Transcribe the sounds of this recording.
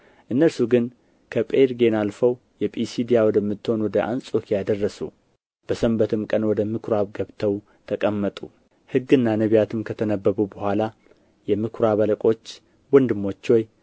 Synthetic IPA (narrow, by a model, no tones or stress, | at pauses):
ʔɨnːəlsuɡɨn | kʰəpʼeɾɡe̞nalfəw | jɛpʼisid̪ijawɔd̪əmːɨt̪ːho̞nwɔd̪əʔa̰nsʼo̞kʰijad̪ərːəsṵ | b̥əsəmbət̪ɨmkʼənwɔd̪əmɨkʰɾaβɡəβt̪ʰəw | t̪ʰəkʼəmːət̪ʼu | hɨɡːɨnːanəβijat̪ʰɨmkʰət̪ʰənəbːəβubəhʷala | jɛmɨkʰɾaβələkʼo̞t͡ʃː | wɔnd̪ɨmːo̞t͡ʃːoj